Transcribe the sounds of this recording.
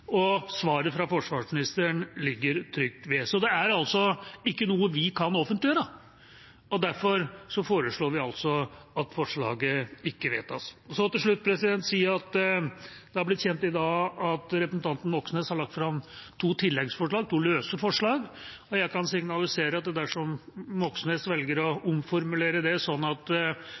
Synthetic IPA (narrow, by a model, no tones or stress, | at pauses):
ɔsʋɑːɾəfɾɑfɔʂʋɑːʂmɪnɪst̪əɳlɪɡːəɾt̪ʰɾʏkt̪ʋɛsɔd̪ɛæɾɑlsɔɪkːənuːəʋɪkʰɑnɔfənt̪lɪjøːɾə | ɔd̪æɾfɔɾsɔfoːɾəʂɭoːɾʋɪɑlsɔɑt̪fɔʂɭɑ̰ːɡəɪkːəʋeːt̪ɑssɔt̪ɪlʂɭʉt̪̚ːpʰɾɛsɪd̪ɛnt̪siːəɾɑt̪ | d̪̥ɛhɑɾblɪt̪ːçɛnt̪ɪd̪ɑːɑt̪ɾɛpɾəsnt̪ʰɑnt̪n̩ʋɔksn̩eːshɑɾɭɑkt̪fɾɑmt̪ʰuːt̪ʰɪlːɛɡsfɔʂɭɑːɡ̚t̪ʰuːløːsəfɔʂɭɑːɡ | ɔjæɪkɑnsɪŋnɑlɪseːɾəɑt̪̚d̪ɛd̪æʂɔmʋɔksn̩hesʋɛlɡəɾɔʊmfɔɾmʉleːɾəd̪ɛsɔnːɑt̪